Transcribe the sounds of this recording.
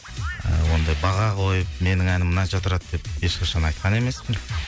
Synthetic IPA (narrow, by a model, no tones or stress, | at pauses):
ə̰wo̞nd̪ɑjbɑʁɑqo̞jəp̚me̞nɪŋænɪmnɑnt͡ʃɑt̪ʰʊɾɑt̪d̪e̞p̚e̞ʃqʰɑʃɑnɑjt̪̚qʰɑne̞me̞spɪŋ